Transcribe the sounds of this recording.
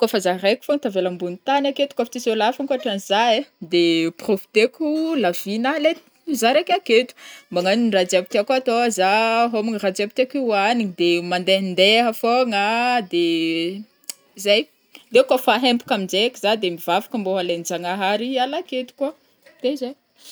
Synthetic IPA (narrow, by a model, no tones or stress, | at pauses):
kofazarejku̥font̪avelambunit̪anaket̪u̥kafit͡s̪isolafaŋkuaʈ͡ʂanzaed̪eprofi̥t̪ekʲulavinale | zaɾekaket̪u̥maŋaninrad͡ziabit̪iakat̪oazaɦomiŋrad͡ʒiabit̪akiwanid̪emand̪end̪eɦəfoŋad̪e | zaj | d̪ekafaɦempu̥kaminzekizad̪emivavḁkəmboɦalend͡ʒaŋaɦaɾialaket̪u̥ka | t̪ezaj